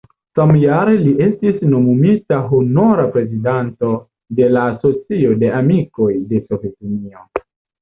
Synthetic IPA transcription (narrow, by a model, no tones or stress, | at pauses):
samjaɾe̞liʔe̞stisno̞mumitaɦono̞ɾapɾe̞zidanto̞ | de̞laːso̞t͡sio̞de̞ʔamiko̞jde̞so̞ve̞tinio̞